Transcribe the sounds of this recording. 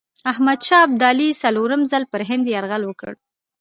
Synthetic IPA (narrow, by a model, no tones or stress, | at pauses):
ahmad̪ʃɑb̚d̪ɑlisaloɾəmzalpəɾɦɪnd̪jaɾɣalwəkə̰ɽ